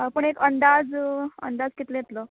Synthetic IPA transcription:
pəɳekənd̪ad͡zə̰nd̪ad͡zkit̪lejet̪lo

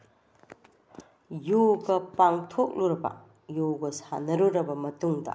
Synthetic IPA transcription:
joɡɐpaŋtʰok̚luɾɐbɐ̰ | joɡɐsa̰nɐɾuɾɐbɐmɐtuŋdɐ̰

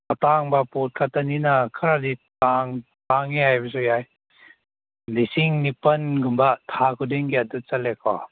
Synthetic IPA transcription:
ataŋbaput̚kʰat̪aninakʰaɾaditaŋ | taŋiajbas̬ujaj | lisiŋnipɐnɡumbat̪ʰakʰudiŋkiadut̚t͡salɛkʰɔ̰

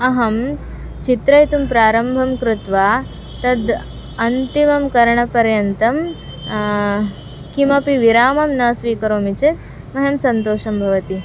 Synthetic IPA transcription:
ɐɦɐm | t͡ʃit̪ɾɐjt̪umpɾaːɾɐmbʱɐmkɾɪt̪ʋaː | t̪ɐd̪ | ɐnt̪imɐmkɐɾɳɐpɐɾjɐnt̪ɐm | kimɐpiʋiɾaːmɐmnɐːsʋiːkɐɾoːmit͡ʃet̪ | mɐɦemsɐnt̪oːʃɐmbʱɐʋɐt̪i

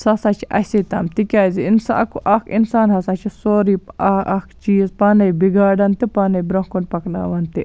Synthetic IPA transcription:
sɐsaːt͡ʃʰiʔɐ̰hʲsit̪amt̪ikʲaːziinsaɐkuʔɐkʰinsaːnɦɐsaːt͡ʃʰisoːɾiːpɐɐkt͡ʃiːzpanɐjbiɡaːɖɐnt̪ipanɐjbɾɐɦkunpɐkna̰ːʋɐnt̪i

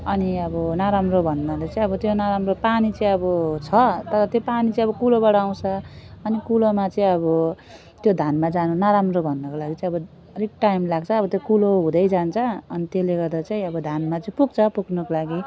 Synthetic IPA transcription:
ʌniʌbʌnaɾamrobʱʌnːad̪et͡sãĩʌbʌt̪jonaɾamropanit͡sʌĩʌbʌt͡sʰʌt̪ʌɾʌt̪jopanit͡sʌĩʌbʌkuloβʌɽaw̃t͡sʰʌʌnikulomat͡sʌĩʌbʌ | t̪jod̪ʱanmad͡zanunaɾamrobʱʌnːʌkolaɡit͡saĩʌbʌ | ɾik̚ʈajmlaɡ̚t͡sʰʌːbʌt̪jokuloɦũd̪ʌjd͡zant͡sʰʌʌnit̪jeleɡʌrd̪at͡saĩʌbʌd̪ʱanmat͡sʌĩpuɡ̚t͡sʰʌpuknʌkolaɡi

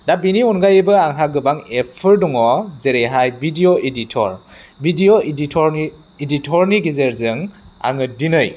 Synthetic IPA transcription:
dabiniunɡajɯbɯaŋɦaɡɯbaŋepʰɯɾdɔŋɔzeɾeɦajbidioʔeditʰɔ̰ɾbʱidioiditʰɔɾ | iditʰɔɾniɡizeɾzɯŋa̰ŋɯdinɯj

